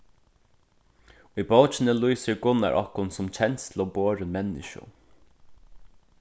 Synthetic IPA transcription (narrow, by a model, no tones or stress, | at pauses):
ʊjbowt͡ʃɪnəluijsɪɹɡʊnːa̰ɹʔɔ̰hkʊnsʊmt͡ɕʰɛnt̪st̪ʰl̩ɔboːɾəmɛnːɪ̰ʃʊ̰